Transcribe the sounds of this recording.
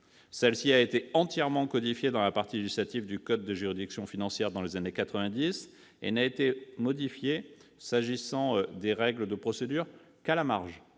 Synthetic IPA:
sɛlsiaet̪eɑ̃t̪jɛʁmɑ̃kɔd̪ifjed̪ɑ̃lapaʁt̪ileʒislat̪ivd̪ykɔd̪ːəʒyʁid̪iksjɔ̃finɑ̃sjɛʁd̪ɑ̃lezanekat̪χəvɛ̃d̪is | ḛnaet̪emɔd̪ifjesaʒisɑ̃d̪eʁɛɡləd̪əpχɔsed̪yʁ | kalamaʁʒ

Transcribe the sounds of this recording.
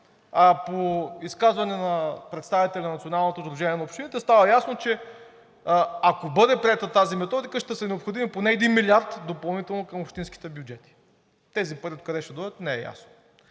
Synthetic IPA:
apoiskazvɐnɛnɐpɾɛt̪st̪avit̪ɛlʲɛnɐnɐt̪sionalˠnot̪ozɾuʒɛniɛnɐopʃt̪init̪ɛst̪avɐjasnot͡ʃɛ | akobɤd̪ɛpɾiɛt̪ət̪azimɛt̪ɔd̪ikəʃt̪ɛsənɛopxod̪imiponɛːd̪inmilʲiaɾt̪d̪opɐlˠnit̪ɛlˠnokəmopʃt̪insk̟i̥t̪ɛbjud͡ʒɛt̪i̥ | t̪ɛzipɤɾʲit̪kɐd̪ɛʃɛd̪ɔd̪ət̪nɛɛ̰ja̰sno̥

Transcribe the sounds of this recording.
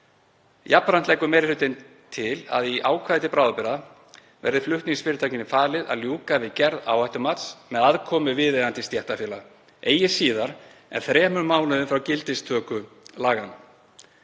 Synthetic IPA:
japːɾan̥t̪lejkʏɾmɛːɾɪlʏt̪ɪn | t̪ʰɪla̰ðiʔaːwkʰvaːðɪt̪ɪpɾaːwðapɪɾa | vɛ̰ɾðɪflʏht̪niŋsfɪːɾɪt̪ʰaːjcɪnɪfaːlɪða̰ðljuːkavɪcɛɾða̰ːwajht̪ʏmat̪smɛðaðkʰɔːmʏvɪðejðant̪ɪst̪jɛht̪afjɛːla | eːjɪsiːðaɾ̥ɛ̰nθɾɛːmʏmːaːwlʏðʏmfɾawcɪlt̪ɪst̪ʰœːkʏlaːɣan

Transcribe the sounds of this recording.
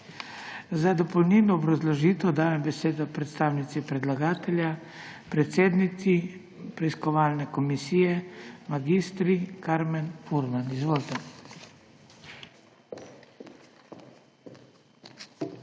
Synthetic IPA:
zad̪ɔpɔwniːnɔːbɾazlɔʒiːt̪ɛd̪aːjɛmbɛseːd̪ɔpɾɛt̪st̪aːwnit̪sipɾɛd̪laɡaːt̪ɛlʲja | pɾɛt̪seːd̪nii | pɾɛiskɔʋaːlnɛkɔmisiːjɛmaɡist̪ɾikaɾmɛnfuɾmanizʋoːlt̪ɛ

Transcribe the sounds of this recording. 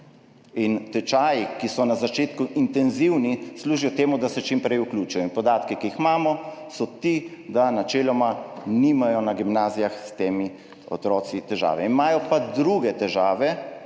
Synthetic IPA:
int̪ɛt͡ʃaːjikisɔnazat͡ʃeːt̪kuʔint̪ɛnziwnisluːʒijɔt̪eːmud̪asɛt͡ʃimpɾɛjuklʲuːt͡ʃujɔinpɔd̪aːt̪kikiixmaːmɔsɔt̪i | d̪anat͡ʃeːlɔmanimajɔnaɡimnaːzijaxst̪eːmi | ɔ̰t̪ɾɔːsit̪ɛʒa̰ːʋɛinmaːjɔpad̪ɾuɡɛt̪ɛʒaːʋɛ

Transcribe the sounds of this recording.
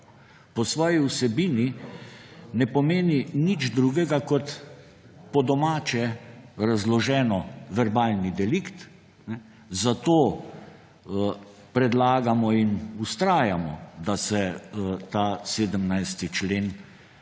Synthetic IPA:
pɔsʋɔːjiusɛbiːni | nɛpɔmeːninid͡ʒd̪ɾuɡɛɡakɔt̪ | pɔd̪ɔmaːt͡ʃɛɾazlɔʒɛːnɔʋɛɾbaːlnid̪ɛlikt̪ | nɛ | zat̪oː | pɾɛd̪laːɡamɔinust̪ɾaːjamɔ̰d̪asɛt̪aːseːd̪əmnajst̪it͡ʃleːn

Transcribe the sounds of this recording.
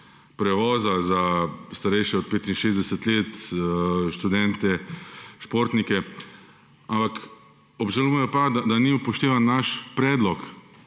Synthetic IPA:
pɾɛʋɔːzazast̪aɾɛjʃjɛɔt̪̚peːt̪inʃeːzd̪ɛsɛt̪leːt̪ | ʃt̪ud̪ɛnt̪ɛʃpoːɾt̪nikɛ | ampak | ɔbʒaluːɛjɔpad̪ad̪anipɔʃt̪eːʋanːaʃpɾɛːd̪lɔk

